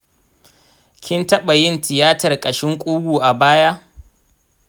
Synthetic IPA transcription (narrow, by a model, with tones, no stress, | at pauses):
kʲɪ˦ntɐ˦ɓa˨jɪ˦ntɪ˨jaː˦tɐ˨rkʼɐ˨ʃɪ˦ŋkʷʼuː˦ɡʷuː˨ʔa˨baː˦ja˦ʔ